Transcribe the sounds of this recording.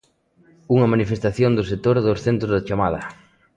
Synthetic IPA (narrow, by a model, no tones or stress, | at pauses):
uŋɐmanifest̪aθjond̪ʊs̬et̪oɾðosθent̪ɾʊzðɐat͡ʃamað̞ɐ